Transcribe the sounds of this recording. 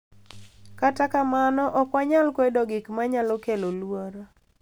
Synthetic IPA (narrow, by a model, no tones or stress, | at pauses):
katakamanɔʔɔkwaɲalkwedɔɡɪkmaɲalɔkelolwoɾo